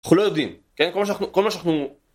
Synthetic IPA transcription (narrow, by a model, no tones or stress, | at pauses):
aχnulojod̪imkenkolmaʃaaχnukolmaʃanaχnu